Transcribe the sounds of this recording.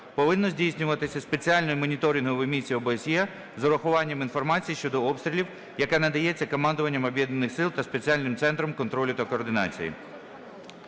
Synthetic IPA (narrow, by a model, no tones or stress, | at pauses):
pɔʋɪnːɔzʲdʲijsʲnʲʊʋɐt̪ɪsʲɐspe̞t͡sʲiɑlʲnɔjʊmɔnʲit̪ɔɾʲɪnɦʊjʋemʲit͡sʲːiɔbeesʲjɛ | zɔɾɐxʊʋɑnʲːɐminfɔrmɑt͡sʲijiʃt͡ʃɔd̪ɔɔpst̪ʲɾʲilʲiw | jɐkanɐd̪ɐjɛt͡sʲːɐkɔmɑnd̪ʊʋɐnʲːɐmɔbjɛd̪nɐnɪxsɪlˠt̪ɐspe̞t͡sʲiɑlʲnɪmt̪sɛnt̪ɾɔmkɔnt̪ɾɔlʲʊt̪ɐkɔːrd̪ɪnɑ̰t͡sʲḭjḭ